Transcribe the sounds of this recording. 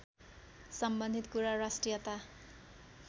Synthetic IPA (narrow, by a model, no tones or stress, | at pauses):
sʌmbʌnd̪ʱit̪kuɾarasʈrijʌt̪a